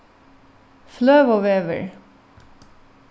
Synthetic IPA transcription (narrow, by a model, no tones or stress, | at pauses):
flœːʋoːʋeːʋə̰ɹ